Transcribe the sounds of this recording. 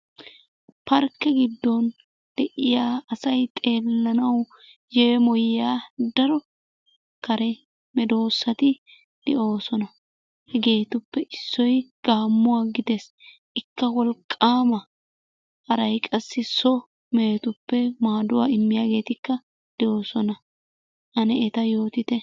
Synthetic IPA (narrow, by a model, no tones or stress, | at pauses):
pɐɾkːɛɡɪd̪ːɔn | d̪̥ɛʔɪjaːɐsɐjt̪ʼe̞ːlːɐnɐw | jɛmɔjaːd̪ɐɾɔ | kɐɾɛ | mɛd̪o̞ːsːɐt̪ɪ | d̪̥ɛʔo̞ːsɔnɐ | hɛɡe̞ːt̪ʊpːɛʔɪsːɔjɡ̥aːmːʊwaːɡɪd̪ɛs | ʔɪkːɐwɔlkʼːaːmɐ | hɐɾɐjkʼɐsːɪsɔ | meːt̪ʊpːɛmaːd̪ʊwaːɪmːɪjaːɡe̞ːt̪ɪkːɐ | d̪̥ɛʔo̞ːsɔnɐ | ʔɐnɛɛt̪ɐjo̞ːt̪ɪt̪ɛ